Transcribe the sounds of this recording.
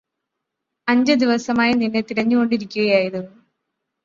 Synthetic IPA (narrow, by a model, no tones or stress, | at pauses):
ɐɲd͡ʑɐd̪iʋɐsɐmaːjɐninːet̪iɾɐɲːuɣo̞ɳɖiɾikʲːuɣɐjaːjɐðɨ